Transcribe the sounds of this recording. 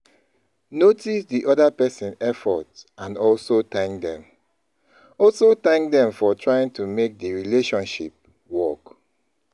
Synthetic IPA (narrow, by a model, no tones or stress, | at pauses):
notisdiʔɔdapɛsĩnɛfɔtãnɔlsotãŋkdɛ̃m | ɔlsotãŋk̚dɛ̃ɱfɔtʰɹajĩŋtumek̚dəɹileʃɔ̃nʃip̚ | wɔk